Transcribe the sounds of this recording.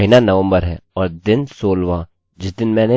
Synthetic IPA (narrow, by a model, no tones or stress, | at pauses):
inanɐʋə̃mbəɾɦɛːɔːɾd̪ɪnsoːlʋã | d͡ʒɪsd̪ɪnmɛ̃ːne